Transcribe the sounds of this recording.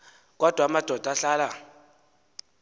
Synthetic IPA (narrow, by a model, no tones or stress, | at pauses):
kʼɔd̥ʱwamad̥ʱɔd̥ʱaɬaːla